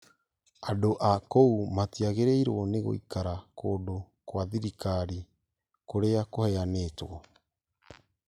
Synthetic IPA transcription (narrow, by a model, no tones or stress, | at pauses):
adoʔakoumatiaɣeɾeiɾo̰ːneɣo̰ḭkaɾakodo | kwaðiɾikaɾi | koɾeakoheaneːtoɣo